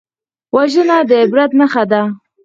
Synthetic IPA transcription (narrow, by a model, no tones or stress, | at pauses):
waʒənad̪əɪbɾat̪naxad̪a